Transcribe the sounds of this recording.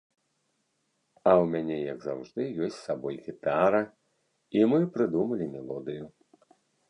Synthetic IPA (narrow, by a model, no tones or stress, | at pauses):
ɐwmʲanʲɛjɐɡza̰wʐd̪ɨjɔsʲt͡sʲsabɔjɣʲit̪aɾɐ | imɨpɾɨd̪umɐlʲimʲɛlˠɔd̪ɨju